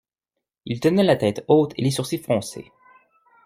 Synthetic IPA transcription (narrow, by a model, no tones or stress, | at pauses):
ilt̪ənɛlat̪ɛt̪ot̪ʰḛlesuʁsifχɔ̃sḛ